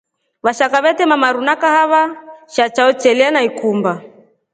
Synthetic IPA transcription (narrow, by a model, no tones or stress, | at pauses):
βaʃakaβɛtɛmamaɾunakahaβaʃat͡ʃaɔt͡ʃɛlianaikumba